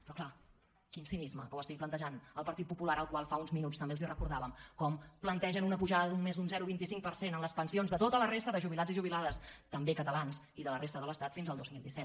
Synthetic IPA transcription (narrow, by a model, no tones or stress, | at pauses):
pɾɔkla | kinsinizməkəwəst̪ik̚plənt̪əʒanəlˠpəɾt̪it̪̚pupulaɾəlˠkwalˠfaunzminutt͡st̪əmbelˠzirəkuɾðaβəmkɔmplənt̪ɛʒənunəpuʒaðəðunmezðunzɛɾuβint̪isiŋk̚pəɾsenənləspənsionzðət̪ot̪ələrest̪əðəʒuβilad͡ziʒuβilaðəst̪əmbekət̪əlans | iðələrest̪əðələst̪at̪finzəlˠd̪ozmilˠd̪isɛt̪̚